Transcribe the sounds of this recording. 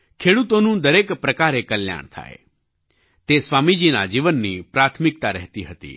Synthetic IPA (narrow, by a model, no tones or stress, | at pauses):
kʰeɽut̪onũd̪əɾekpɾəkaɾekəlja̰ɳ̃t̪ʰa̰ḛ | t̪esʋamid͡ʒina̰d͡ʒiʋənːipɾat̪ʰmɪk̚t̪aɾɛɦt̪iɦət̪ḭ